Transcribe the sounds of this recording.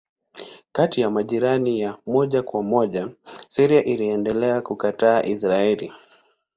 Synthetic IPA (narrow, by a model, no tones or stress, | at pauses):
katijamaʄiɾanijamɔʄakwamɔʄasiɾiaʔiliɛndɛlɛakukataːʔisɾaɛli